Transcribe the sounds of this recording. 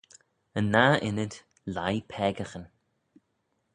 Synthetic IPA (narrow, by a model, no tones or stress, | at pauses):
ənːaʔɪnəd̪ | lajpʰɛːɡəxən